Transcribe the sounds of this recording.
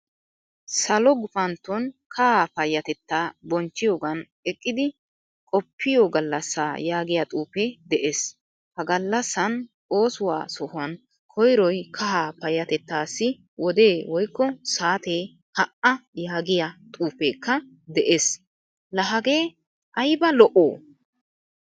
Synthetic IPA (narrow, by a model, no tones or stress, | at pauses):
sɐlɔɡʊfɐnt̪ːɔnkʰɐhaːpɐjːɐt̪ɛt̪ːaːbɔnt͡ʃːɪjoːɡɐn | ɛkʼːɪd̪ɪ | kʼɔpʰːɪjɔɡɐlːɐsːaːjaːɡɪjat̪ʼuːpeːd̪ɛʔeːs | hɐɡɐlːɐsːɐn | o̞ːsʊwa̰ːsɔhʊɐn | kʰɔjɾɔjkʰɐhaːpɐjːɐt̪ɛt̪ːaːsːɪ | wɔd̪eːwɔjkːɔsaːt̪eː | hɐʔɐjaːɡɪjat̪ʼuːpeːkːɐ | d̪ɛʔeːs | lɐɦɐɡe̞ː | ʔɐjbɐlɔʔoː